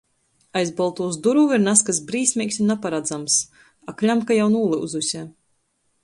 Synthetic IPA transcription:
ajzbɔlˠt̪uːsd̪uɾuviɾnaskas̬bɾiːsʲmʲiːksʲunapaɾad̪zams | aklʲamkajawnuːlˠɨṵzusʲa

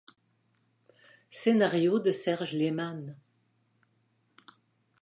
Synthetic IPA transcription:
senaʁjod̪əsɛʁʒleman

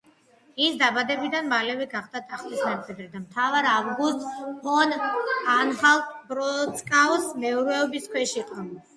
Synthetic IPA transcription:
isd̪abad̪ɛbid̪anmalɛviɡaχd̪̥at̪ʰʼaχt̪isnat̪sʼɛd̪ɾid̪amt̪ʰavaɾavɡust̪pʰɔnanχalˠbɾɔt̪sʼkʼavsmɛuɾɛɔbiskʰwɛʃiqʼɔ

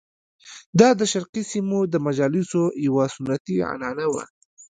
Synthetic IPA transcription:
d̪ɑd̪əʃaɾqisimod̪əmad͡ʒɑlɪsojawasʊnat̪iʕa̰nɑnawa̰

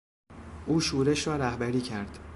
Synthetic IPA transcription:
ʔuːʃuːɾe̞ʃɾɒːɾæhbæɾiːcʰæɾd̪̥

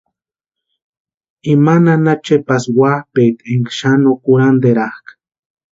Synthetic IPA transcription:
imananat͡ʃepaswahpejt̪eŋkʃanokuɾand̪eɾahkḁ

